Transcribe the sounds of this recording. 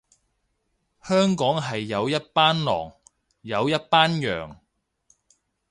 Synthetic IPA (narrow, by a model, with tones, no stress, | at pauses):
hœː˥ŋkɔː˨˥ŋɦɐ˨jːɐ˨˧wjɐ˥t̚paː˥nlɔ̰ː˨˩ŋ | jɐ˨˧wjɐ˥t̚paː˥njœ̰ː˨ŋ